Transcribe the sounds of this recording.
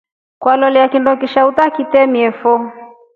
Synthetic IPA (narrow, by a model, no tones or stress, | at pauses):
kwalɔliakindɔkiʃautakitɛmiɛfɔ